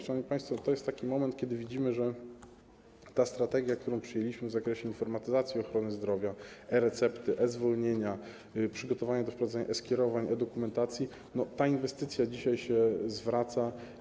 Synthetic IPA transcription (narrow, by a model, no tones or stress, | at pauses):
ʂanɔvmipaj̃st̪fɔt̪ɔjɛst̪ːakʲimɔmɛnt̪̚kʲɛd̪ɘvʲid͡ʑimɘʐɛ | t̪ast̪ɾat̪ɛɡʲjakt̪uɾɔ̃w̃pʂɘjelʲiɕmɘvzakɾɛɕɛinfɔɾmat̪ɘzat̪sʲjiɔxɾɔnɘzd̪ɾɔvʲjaɛɾɛt̪sɛpt̪ɘʔɛzvɔlɲeɲa | pʂɘɡɔt̪ɔvaɲad̪ɔfpɾɔvad̪ɛɲa̰ʔɛskʲɛɾɔvaɲɛd̪ɔkumɛnt̪at̪sʲji | nɔt̪ainvɛst̪ɘt̪sʲjad͡ʑiɕajɕɛzvɾat̪sa